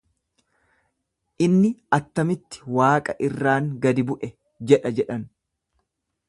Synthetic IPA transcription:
ʔɪnːɪɐt̪ːɐmɪt̪ːɪ̥waːkʼɐʔɪrːaːŋɡɐd̪ɪbʊʔɛ | d͡ʒɛᶑɐd͡ʒɛᶑɐn

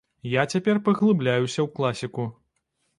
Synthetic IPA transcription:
jat͡sʲapʲɛrpɐɣlˠɨblʲajusʲɐwklˠasʲiku

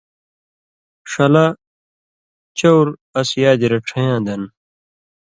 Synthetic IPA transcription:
ʂɐla | t͡ɕowɾɐsjaːd͡ʑ̪iɾɐʈ͡ʂʰɐjãːd̪ɐn

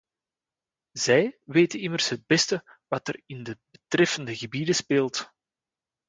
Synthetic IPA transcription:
zɛjʋeːtənɪmərsɦəd̚bɛstə | wɑtərɪndəbətrɛfəndəɣəbidəspeːlˠt

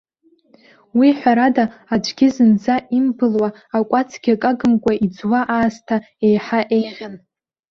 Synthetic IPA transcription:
wiħʷᶣaɾadaad͡ʒʷʼɡʲɪzɨnd͡zaʔimbɨlwaːkʷʼat͡sʰɡʲakʼaɡɨmkʷʼaid͡zwaʔaːztʰa | ejħaʔejʁʲan

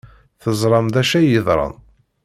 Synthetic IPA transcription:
θəzˤɾˤɑmd̪æʃæjəðˤɾˤɑ̰n

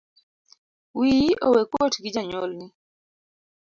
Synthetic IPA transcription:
wiʔowekwotɡid͡ʒaɲolnɪ

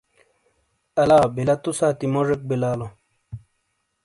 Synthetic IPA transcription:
ɐlaːbilɐt̪usaːt̪imoʐek̚bilaːlo

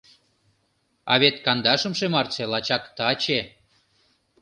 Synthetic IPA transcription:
ɑ̰βet̪kɑnd̪ɑʃə̆mʃemɑrt͡selɑt͡ɕɑkt̪ɑt͡ɕe

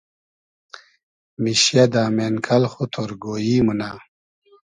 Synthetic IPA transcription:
miɕjɐd̪aːmeːnkʰɐlχut̪ʰoɾɡoːjiːmuna

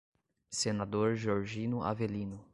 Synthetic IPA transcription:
senad̪oɾʒoɾʒĩnʊa̰velĩnʊ

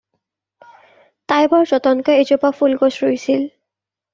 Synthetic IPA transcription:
tajbɔɹzɔt̪ɔnkɔezopapulɡosɹojsil

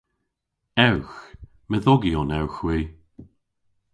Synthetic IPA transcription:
ɛwx | məðɔɡiɔnɛwxwiː

